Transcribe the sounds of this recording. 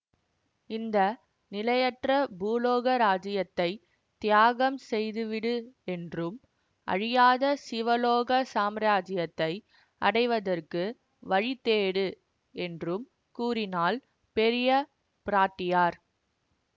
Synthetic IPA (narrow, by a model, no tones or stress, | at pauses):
ɪnd̪ɐ | nɪlɐjɐʈrɐbuːloːɣɐɾaːd͡ʒɪjɐt̪ːɐɪ | t̪ɪjaːɣɐmsɛjðɯʋɪɽɯɛndrɯm | ʔɐ̰ɻɪjaːðɐsɪʋɐloːɣɐsaːmɾaːd͡ʒɪjɐt̪ːɐɪ | ɐ̰ɽɐɪʋɐðɐrkɯ | ʋɐɻɪt̪ːeːɽɯ | ɛndrɯm | kuːɾɪnaːl | pɛɾɪjɐ | pɪɾaːʈːɪjaːɾ